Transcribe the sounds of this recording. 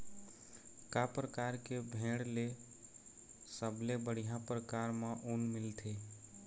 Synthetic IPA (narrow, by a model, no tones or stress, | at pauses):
kapɾəkaɾkebʱeɽle | səblebəɽ̤ijãpɾəkaɾmeʔunmilt̪ʰe